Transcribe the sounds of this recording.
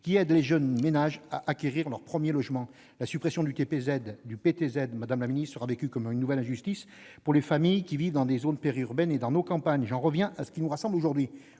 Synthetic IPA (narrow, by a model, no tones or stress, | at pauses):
kʲiɛd̪leʒœnmenaʒa̰ʔakʲeʁiʁlœʁpχəmjelɔʒmɑ̃ | lasypχesjɔ̃d̪yt̪epezɛd̪ːypet̪ezɛd̪mad̪amlaminist̪səʁavekʲykɔmynːuvɛlɛ̃ʒyst̪is | puʁlefamijkʲivivd̪ɑ̃d̪ezonpeʁiyʁbɛned̪ɑ̃nokɑ̃paɲʒɑ̃ʁəvjɛ̃ʔasə̥kʲinuʁasɑ̃bloʒuʁd̪ɥi